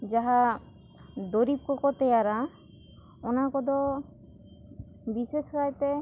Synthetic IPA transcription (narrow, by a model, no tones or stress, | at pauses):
d͡ʒaɦa | d̪oɾip̚kɔkɔt̪ɛjaɾa | ɔnakɔd̪ɔ | biʃeskajt̪e